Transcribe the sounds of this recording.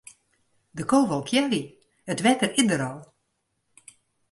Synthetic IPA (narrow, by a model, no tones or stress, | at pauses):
dəkoːʋɔlˠkʰjɛri | ətʋɛtəridəɾɔlˠ